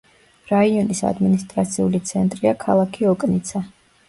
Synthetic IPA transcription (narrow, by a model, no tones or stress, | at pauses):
ɾaiɔnisa̰d̪minist̪ʼɾat̪sʰiulit̪sʰɛnt̪ʼɾiakʰalˠakʰiɔkʼnit̪sʰa